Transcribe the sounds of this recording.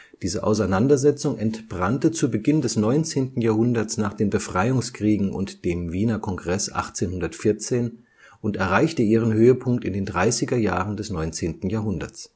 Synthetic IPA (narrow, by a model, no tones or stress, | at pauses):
d̥iːzəʔa̰ʊsaɪnandɐzɛt͡sʊŋʔɛntb̥ʁantət͡suːbəɡɪndɛsnɔʏnt͡seːntn̩jaːɐhʊndɐsnaːχd̥eːnbəfʁ̥aɪʊŋskʁ̥iːɡŋ̩ʔʊ̰ntd̥eːmviːnɐkʰɔŋɡʁɛsʔa̰χt͡seːnhʊndɐtfɪɐt͡seːn | ʔʊntɛɐʁaɪçtəiːʁ̞ənhøːəpʰʊŋk̚tɪndeːndʁaɪsɪɡɐjaːʁəndɛsnɔʏnt͡seːntn̩jaːɐɦʊndɐ̰t͡s